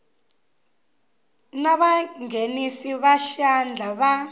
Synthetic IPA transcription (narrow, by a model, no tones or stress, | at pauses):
naɓaŋenisiβaʃand͡ɮʱaɓa